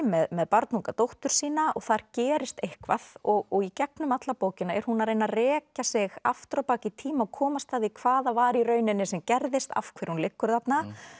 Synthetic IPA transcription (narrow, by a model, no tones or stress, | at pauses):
mɛðmɛðpaɾt̪nuŋkat̪owht̪ʏɾ̥siːnaʔɔɣθaɾ̥cɛːɾɪst̪ejhkvaðɔɣɔɣicɛknʏmat̪lapoːwcɪnaɛɾ̥hunaɾeːjnarɛːcasɪɣa̰ft̪ɾawpaːcɪt̪ʰiːmaɔkʰɔːmast̪aðikʰv̥aːðavaɾirœːɥnɪnːɪsɛmcɛɾðɪst̪a̰fkʰvɪɾ̥hunlɪkːʏɾθat̪na